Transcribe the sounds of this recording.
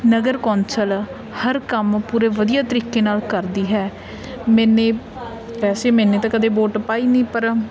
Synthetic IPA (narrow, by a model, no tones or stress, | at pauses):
nəɡəɾkõːnsəl | həɾkəmpuːɾeːʋəd̪ijaːt̪əɾiːkeːnaːlkəɾd̪iːɦɛː | mɛ̃ːnẽː | pɛːseːmɛ̃ːneːt̪ãːkəd̪eːboːʈpaːiːniːpəɾ